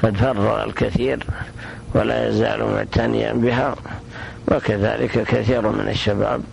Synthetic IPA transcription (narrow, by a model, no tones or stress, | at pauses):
qɑd̪fɑrˤːɑɣalkaθiːɾ | walajazaːlmat̪ʰanɪjabɪɦa | wakaðaːlɪkakaθiːɾmɪnʔaʃːabaːb̚